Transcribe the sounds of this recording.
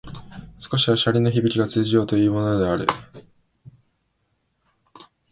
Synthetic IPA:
sɨ̥ko̞ɕiβaɕaɾʲino̞çibʲikʲiɡat͡sɨːʑijo̞ːt̪o̞iːmo̞no̞d̪e̞aɾɯ̟̰

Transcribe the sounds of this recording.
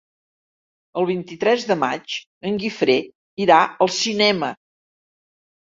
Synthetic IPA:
əlˠβ̞int̪it̪ɾɛzðəma̰t͡ʃ | əŋɡifɾe | iɾaəlˠsinɛmə

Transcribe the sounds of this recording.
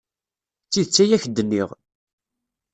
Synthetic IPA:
t͡sːiðt͡sːæjæçd̪ːənːiʁ

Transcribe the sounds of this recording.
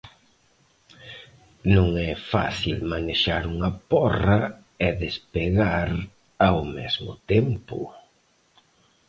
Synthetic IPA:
nũŋɛfa̰θilmaneʃaɾuŋɐpɔrɐ | ɛðespeɣaɾ | awmɛzmʊ̰t̪ɛmpʊ̰

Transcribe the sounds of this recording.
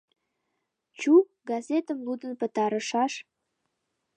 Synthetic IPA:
t͡ɕu | ɡɑzʲet̪əmlud̪ənpə̆t̪ɑɾəʃɑʃ

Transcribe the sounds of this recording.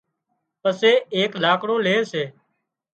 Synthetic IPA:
pəseːeːklaːkɽõːleːseː

